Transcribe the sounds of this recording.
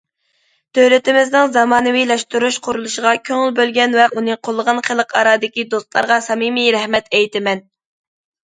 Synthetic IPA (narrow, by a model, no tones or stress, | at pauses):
t̪ʰølɪt̪ɪmɪznɪŋzɑmɑːnɨwilɛʃt̪uɾuʃqʰʊɾulˠuʃəʁɑkʲʰøŋɪlbølɡʲɛnwɛunɨqʰolˠːəʁɑnχəlˠəqʰɑ̰ɾɑːd̪ɪkʲid̪ost̪lˠɑ̰ɾʁɑsɑmimiɾɛhmɛt̪ʰɛjt̪ɪmɛn